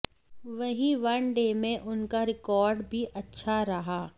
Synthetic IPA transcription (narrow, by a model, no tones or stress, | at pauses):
ʋɐɦiʋɐɳɖemẽʔʊnkaɾɪkɔːɾɖbʱiʔɐtːʃʰaɾɐɦaː